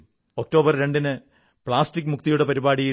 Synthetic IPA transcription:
ok̚ʈːo̞ːbɐrɾe̞ɳɖinɨ | pɭaːstikːɨmuk̚t̪ijuɽepɐɾibaːɽiji

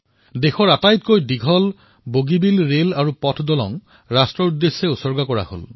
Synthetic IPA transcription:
dexɔɹatajt̚kojdiɡʱɔl | boɡibilɹelaɹupɔtʰdɔlɔ̰ŋ | ɹastɹɔɹudːesːeʊsɔɹɡakɔɹa̰ho̰l

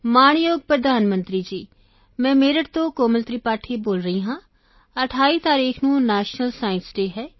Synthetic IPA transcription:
maːɳ̃joːɡ̚pɾəd̪ʱaːnmənt̪ɾiːd͡ʒiː | mɛ̃ːmeːɾəʈt̪õːkoːməlt̪ɾiːpaːʈʰiːboːlɾəɦiːɦãː | əʈʰaːiːt̪aːɾiːkʰnũːnɛːʃnəlsaːɪnsɖeːɦɛː

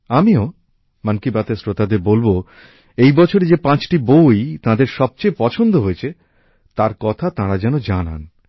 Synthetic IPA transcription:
amio | mankibat̪esɾot̪ad̪eɾbolbo | ejbɔt͡ɕʰoɾed͡ʑepãt͡ɕʈibojt̪ad̪eɾʃɔb̚t͡ɕejpɔt͡ɕʰond̪oɦoet͡ɕʰe | t̪aɾkɔt̪ʰat̪ãɾad͡ʑɛnod͡ʑana̰n

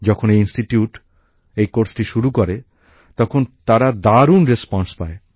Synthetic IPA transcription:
d͡ʑɔkʰonejinsʈiʈijuʈ | ejkoɾsʈiʃuɾukoɾe | t̪ɔkʰont̪aɾad̪aɾunɾespɔnspae

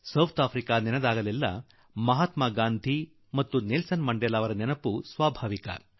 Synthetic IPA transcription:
sɐwt̪ʰaːpʰɾikaːnɛnɐd̪aːɡɐlilːɐ | mɐɦaːt̪maːɡaːnd̪ʱi | mɐt̪ːunilsɐnmɐɳɖelaːʋɐɾɐnɛnɐpusʋaːbʱaːʋikɐ̰

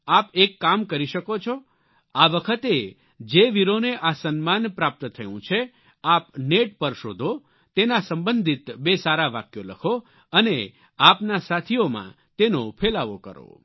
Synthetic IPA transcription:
apekːamkəɾiʃəkot͡ʃʰo | aʋəkʰət̪e | d͡ʒeʋiɾoneʔasənmanpɾap̚t̪t̪ʰəjũt͡ʃʰe | apneʈ̚pəɾʃod̪ʱo | t̪enasəmbənd̪ʱit̪besaɾaʋakjoləkʰo | əne | apnasat̪ʰiomã̰ | t̪enopʰelaʋo̰kə̰ɾo̰

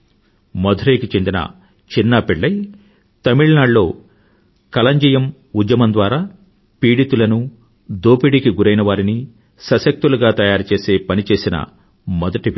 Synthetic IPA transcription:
mɔd̪ʱɾɐjkit͡ʃe̞nd̪inɐ̰ | t͡ʃinːaːpɛɭːɐj | t̪ɐmiɭnaːɖlo̞ː | kɐlɐɲd͡ʒijɐm | ud͡ʒ̪jɐmɐnd̪ʋaːɾaː | piːɽit̪ulɐnu | d̪oːpiɽikiɡuɾɐjnɐʋaːɾini | sɐsɐk̚t̪uluɡaːt̪ɐjaːɾut͡ʃe̞ːse̞ːpɐnit͡ʃe̞ːsinɐ̰ | mɔd̪ɐʈiʋi

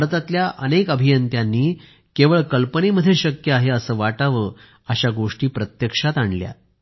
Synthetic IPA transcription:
ɾt̪at̪ljaʔənekəbʱijənt̪janːiː | keʋəɭkəlpəniməd̪ʱjeɕəkjəaɦeəsəːʋaʈaʋəː | əɕaɡoʂʈiːpɾət̪jəkʂat̪aɳlja̰

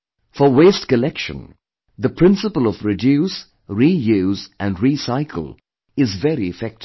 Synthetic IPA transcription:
fəweːstkəlɛkʃə̰̃n | ðəpʰɹ̥ɪ̃nsəpəlˠɔvɹɪdjuːs | ɾijuːzʔæ̃nɹiːsaɪkʰəl̩ˠ | ɪzvɛɾiɪfɛk̚t

